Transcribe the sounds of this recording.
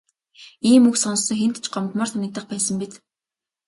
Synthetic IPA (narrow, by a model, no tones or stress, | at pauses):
iːmɵksɔn̆sːɞ̆ŋxen̥t̪t͡ɕɢɔmt̪mɔːrsanʲɪ̆k̚t̪ə̆χpæːsə̆mpit̪